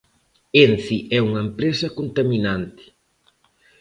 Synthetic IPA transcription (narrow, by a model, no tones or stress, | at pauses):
enθiʔɛuŋɐempɾesɐkont̪aminant̪ɪ̥